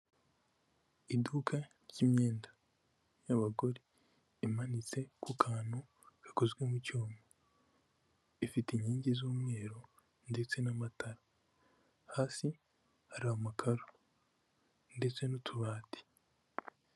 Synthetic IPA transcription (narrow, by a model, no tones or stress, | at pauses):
idukʰa | ɾɟimɲeːnda | jaβaɡo̞ɾiː | manit͡se̞kukʰaːn̥hu | kakozɡwemucoːmo | ifitiɲiːɲɟizuːmŋe̞ːɾo̞ | nde̞t͡se̞namataɾa | haːsi | haɾaomakʰaɾo | nde̞t͡se̞nutʰuβaːti̥